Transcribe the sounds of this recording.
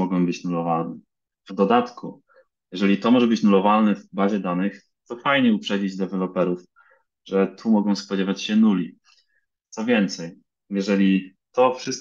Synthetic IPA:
ɔɡɔ̃w̃bɘt͡ɕnulɔvalnɛ | vd̪ɔd̪at̪ku | jɛʐɛlʲit̪ɔmɔʐɛbɘt͡ɕnulɔvalnɛvbaʑɛd̪anɘx | t̪ɔfajɲɛupʂɛd͡ʑid͡ʑd̪ɛvɛlɔpɛɾuf | ʐ̥ɛt̪ʰumɔɡɔ̃w̃spɔd͡ʑevat͡ɕɕɛnulʲi | t̪sɔvʲjɛnt̪sɛj | jɛʐɛlʲit̪ɔfʂɘst̪̚

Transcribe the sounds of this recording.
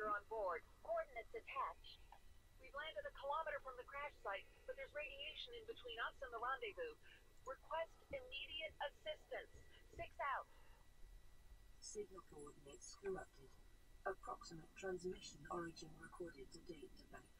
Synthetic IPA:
ə˞ə̃nbɔɹd̚ɔɹdⁿn̩ɨtsɨtʰæt͡ʃ | wivlæ̃ndɨɾɨkʰəlɑməɾə˞fɹʌ̃mðɨkʰɹ̥æʃsaɪt̚b̥ʌt̪̚ðə˞zɹeɪɾieɪʃɨ̃nɨ̃nbɨtʰw̥ĩnʌsə̃nðəlɑ̃ndeɪbʉ | ɹɨkʰw̥ɛstɪmiɾiɨɾəsɪstɨ̃nsːɪksaʊt̚ | sɪɡ̚nəbɔɹdⁿneɪtskə̃mʌp̚tʰɪd̥əpʰɹ̥ɑksəmətʰɹ̥æ̃nzmɪʃə̃nɒɹɪd͡ʒɪ̃nɹɪkʰɔɹɾɪd̚tʰədeɪdʰəbæɪ

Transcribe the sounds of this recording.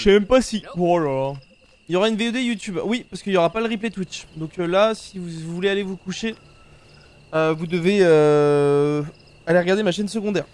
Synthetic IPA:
ʃɛmɛmpasiɔla | iljoʁaynveød̪ejut̪ybwipaʁsə̥kəiljoʁapaləʁip̬let̪wit͡ʃd̪ɔ̃klasivuvuvulealevukuʃe | øvud̪əveø | aleʁəɡaʁd̪emaʃɛnsəɡɔ̃d̪ɛʁ

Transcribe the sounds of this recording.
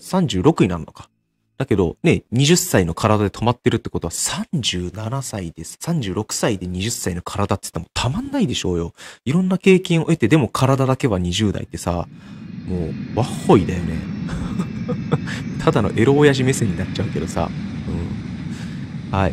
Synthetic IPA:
sãɲ̟d͡ʑɨːɾo̞kɯ̟ɲ̟inãnːo̞̰kḁ | d̪̥ake̞d̪o̞̰ne̞ɲ̟iʑɨsːaino̞kʰaɾad̪ad̪e̞t̪o̞mat̪ːe̞ɾɯ̟t̪ːe̞ko̞t̪oβasãɲd͡ʑɨːnanasaid̪̥e̞sḁsãɲ̟d͡ʑɨːɾo̞kɯ̟̥said̪e̞ɲ̟iʑɨsːaino̞kʰaɾad̪at̪ːɨ̥t̪ːemot̪ʰamãnːaid̪e̞ɕo̞ːjo̞iɾõ̞nːake̞ːkẽɰ̃o̞e̞t̪e̞d̪e̞mo̞kʰaɾad̪ad̪ake̞βaɲ̟iʑɨːd̪a̰ḭt̪ːe̞sa̰moːβahːo̞id̪a̰jone̞̰ | t̪ʰad̪ano̞̰ʔe̞ɾo̞ːjaʑime̞seɲ̟ːinatːt͡ɕaɯ̟ke̞d̪o̞sa̰ | ɯ̟̃ɴ | hai

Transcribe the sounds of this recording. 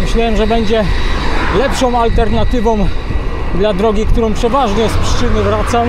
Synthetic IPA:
mɘɕlawɛmʐɛbɛɲd͡ʑɛ | lɛpʂɔ̃w̃alt̪ɛɾnat̪ɘvɔ̃w̃ | d̪lad̪ɾɔɡʲikt̪uɾɔ̃w̃pʂɛvaʐɲɛjspʂɘ̥t͡ʂɘnɘvɾat̪sam

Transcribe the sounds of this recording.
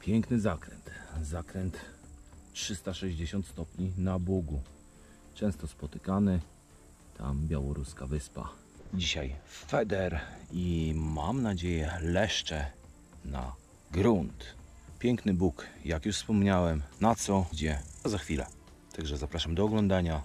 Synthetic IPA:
pʲjɛŋknɘzakɾɛ̰nt̪zakɾɛnt̪ | tʂɘst̪aʂɛʑd͡ʑeɕɔnt̪st̪ɔpʲɲinabuɡu | t͡ʂɛ̃w̃st̪ɔspɔt̪ɘkanɘ | t̪ʰa̰mbʲjawɔɾuskavɘspa̰ | d͡ʑiɕajfɛd̪ɛɾimamnad͡ʑejɛlɛʂt͡ʂɛ | na̰ | ɡɾunt̪pʲjɛŋknɘbukjakjuʂfspɔmɲawɛmnat̪sɔd͡ʑɛazaxfʲilɛ̰ | t̪aɡʐɛzapɾaʂamd̪ɔːɡlɔnd̪aɲa

